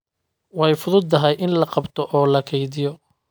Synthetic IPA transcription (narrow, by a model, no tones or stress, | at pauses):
wɑjfʊðʊd̪ɐɦɛjʔɪnlɐqɑbt̪ʰɔʔɔːlɐkʰɛjðɪjɔ